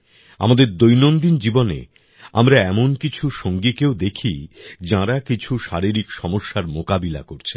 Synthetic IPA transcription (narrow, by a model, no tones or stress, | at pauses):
a̰mad̪eɾd̪ojnond̪ind͡ʑibonḛ | a̰mɾaɛmonkit͡ɕʰuʃoŋɡikewd̪ekʰid͡ʑãɾakit͡ɕʰuʃaɾiɾikʃɔmoʃːaɾmokabila̰koɾt͡ɕʰe